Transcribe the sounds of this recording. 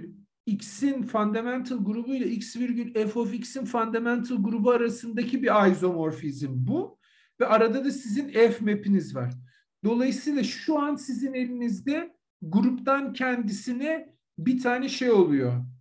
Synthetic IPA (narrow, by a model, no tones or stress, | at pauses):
icsinfand̪amænt̪ʰalˠɡuɾubujlˠaicsviɾɟylʲɛfoficsinfand̪amænt̪ʰɯlˠɡuɾubuaɾasɯnd̪acʰibiɾajzo̞mo̞ɾfizmbu | vɛʔaɾad̪ad̪asizinɛfme̞pinizva̰ɾ̥ | d̪o̞lˠajɯsɯːlˠaʃuansizine̞lʲinizd̪ɛ | ɡuɾupt̪ʰancʰɛnd̪isinɛ | bit̪ʰaːnɛʃe̞jo̞lˠujo̞